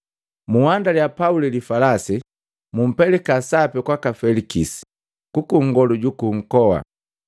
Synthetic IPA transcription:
muwandaljapaulilifalasi | mum̩pɛlɛkasapɛkwakafɛlikisi̥ | kukuŋɡɔluɟukuŋ̩kɔwa̰

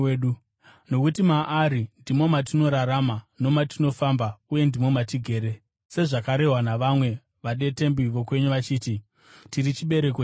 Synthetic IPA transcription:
u | no̞kutimaʔːɾindimo̞mat̬ino̞ɾaɾamano̞matino̞fambauje̞ndimo̞matiɡʱe̞ːɾe | se̞ʐakaɾe̞ɦwanaʋamwe̞ | ʋaɗe̞te̞mbiʋo̞kwe̞ɲuʋat͡ʃiːti | tiɾit͡ʃiɓe̞ɾe̞k̬o

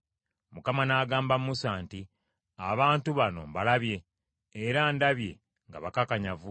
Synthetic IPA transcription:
mukamanaːɡaːmbammːusaːnti | aβaːntuβano̞̰βalaβje̞ː | ɾandaβje̞̰ | ŋɡa̰βakakaɲavu

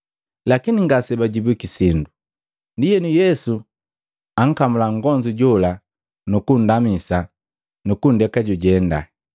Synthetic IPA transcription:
lakiniŋɡasɛbaɟibikisindu | ndijɛnujɛsu | aŋ̩kamulaŋɡɔɲd͡ʒuɟɔla | nukun̩damisa | nukundɛkaɟuɟɛnda̰

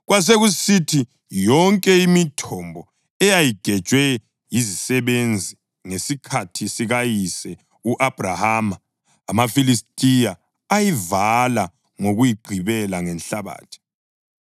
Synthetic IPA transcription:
ɣwas̬eɣusitʰi | jɔŋkʼɛimitʰɔmbʱɔ | ɛjajiɡ̥ʱɛd̥ʒ̥ʱwɛ | jizisɛβend͡zʱi | ŋesikʰatʰisiɣajisɛ | uʔab̥ʱrahama | amafilistʼijaː | jivala | ŋoɣujiɡ͡ǃʱiβɛlaŋɛnɬaβa̰ːtʰi̥

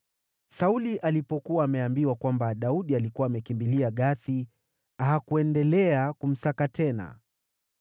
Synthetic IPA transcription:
sauliʔalipɔkuwaːmɛambiwakwambaɗauɗialikuwaːmɛkimbiliaɠaθi | aɦakuɛndɛlɛakum̩sakatʰɛna̰

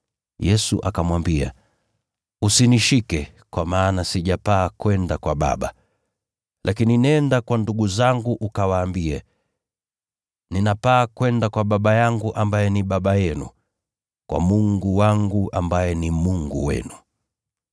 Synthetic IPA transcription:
jɛsṵʔakamwambia̰ | usiniʃikɛ | kwamaːnasiʄapaːkwɛndakwaɓa̰ɓa | lʔakininɛndakwanduɡuzaŋɡuʔukawaːmbiɛ | ninapaːkwɛndakwaɓaɓajaŋɡuʔambajɛniɓaɓajɛnṵ | kwa̰muŋɡuwaŋɡuʔa̰mbajɛnimuŋɡṵwɛ̰nu

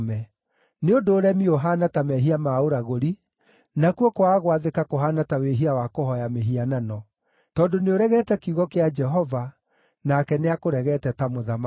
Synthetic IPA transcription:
mɛ | neodoːɾɛmioɦanatamɛɦiamaoɾaɣoɾi | nakwokowaːɣowaðekakoɦanataweɦiawakohɔjameɦiananɔ | tɔːndoneoɾɛɣɛtɛkiuɣɔkead͡ʒɛɦɔva | nakɛneakoɾɛɣɛtɛtamoðama

